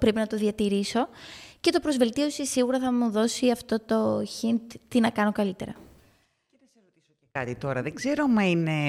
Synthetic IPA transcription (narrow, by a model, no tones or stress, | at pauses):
pɾe̞pinɐt̪o̞ðiɐt̪iɾiso̞ce̞t̪o̞pɾo̞zve̞lt̪io̞sisiɣuɾɐθɐmuðo̞siɐft̪o̞t̪o̞çint̪t̪inɐkɐno̞kɐlit̪e̞ɾɐ̰ | oio | ɐt̪it̪o̞ɾɐðeɡze̞ɾomɐine